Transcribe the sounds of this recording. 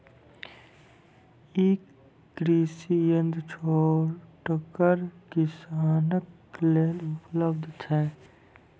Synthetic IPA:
eːkː | ɡɾiːsijənd̪ʱt͡ʃʰoːɾʈkəɾkɪsaːnək | leːlʊpləbd̪ʱt̪ɦɛː

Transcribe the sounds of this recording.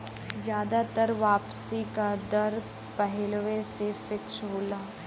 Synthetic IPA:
d͡ʒjaːd̪at̪əɾʋaːpsikad̪ɐɾ | pəɦɛlʋesefɪksɦoːlaː

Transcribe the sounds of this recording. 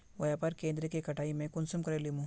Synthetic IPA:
ʋɐjapɐɾkẽːnd̪ɾekekɐʈʰaːimẽkʊnsʊmkɐɾelimũ

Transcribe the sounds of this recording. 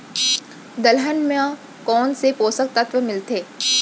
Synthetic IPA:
d̪ɐlɦənmã | kɔːnsepoːsək̚t̪ɐt̪ʋəmɪlt̪ʰeː

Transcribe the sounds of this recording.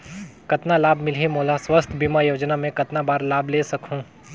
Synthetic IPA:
kɐt̪nalaːbmɪlɦimoːlaswɐst̪ʰbimajoːd͡ʒnamẽkɐt̪nabaːɾlaːbʱleːsɐkɦũː

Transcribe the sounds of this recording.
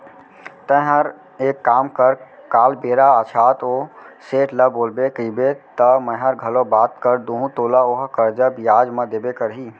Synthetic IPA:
t̪ə̃ɦəɾ | eːkːaːmkəɾkaːlbeːɾaət͡ʃʰaːt̪oːseːʈləboːlbekiːbet̪əmə̃ɦəɾɡʱɐlõbaːt̪kəɾd̪oːɦũt̪oːlaoɦkəɾd͡ʒabijaːd͡ʒmə̃d̪eːbekəɾɦiː

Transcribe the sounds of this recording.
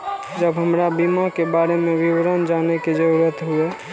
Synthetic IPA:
d͡ʒəbɦəmɾabimakebaɾemẽwiwɾənd͡ʒaneked͡ʒəɾuɾət̪ɦue

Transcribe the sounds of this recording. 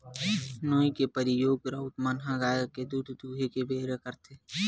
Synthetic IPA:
noːikepəɾɪjoːɡɾaʊt̪mənɦãɡaːjəked̪uːd̪ʱd̪uːɦekebʱeːɾekəɾt̪e

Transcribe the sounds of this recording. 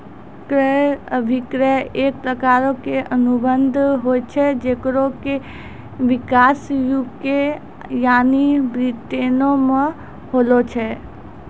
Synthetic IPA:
kɾəəbʱikɾəeːk̚pɾəkaːɾokeʔənubənd̪ʱɦot͡ʃʰɛd͡ʒeːkɾoke | ʋɪkasjuke | jaːnibɾit̪enomə̃ | hoːlot͡ʃʰɛ

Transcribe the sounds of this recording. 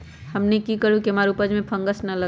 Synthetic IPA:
həmnekikəɾukiɦəmaɾupəd͡ʒmẽpʰə̃ŋɡəsnələ

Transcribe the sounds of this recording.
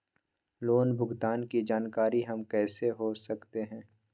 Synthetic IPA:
loːnbʱʊɡt̪aːnkid͡ʒaːnkaːɾiɦɐmkɛːseɦosɐkt̪eɦɛ̃ː

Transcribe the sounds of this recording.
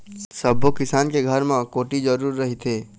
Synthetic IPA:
sɐbokɪsaːnkeɡʱəɾmãkoːʈid͡ʒɐɾuːɾːɐɦit̪ʰeː

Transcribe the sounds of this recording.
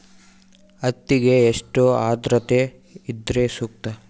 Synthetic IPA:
ɐt̪ːiɡe̞ːʂʈoaːd̪ɾɐt̪e | id̪ɾesuk̚t̪ɐ

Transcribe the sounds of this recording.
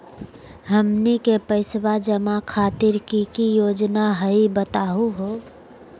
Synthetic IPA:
ɦəmnikepəɪswad͡ʒəmakʰaːt̪ɪɾkikijoːd͡ʒnaɦəibət̪aːɦuɦoː

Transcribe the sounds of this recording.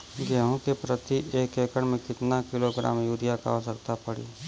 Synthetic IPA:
ɡəɦõkepɾət̪iʔeːkeːkəɽmẽkɪt̪nakɪloɡɾa̰ːmjuːɾjaka̰ɔsəɾt̪apəɽḭː

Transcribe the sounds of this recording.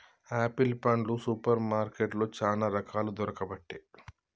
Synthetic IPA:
aːpilpɐɳɖlusupɐɾmaːɾkeʈloːt͡ʃaːlaːɾɐkʰaːlud̪ɔɾɐkɐbɐʈːeː

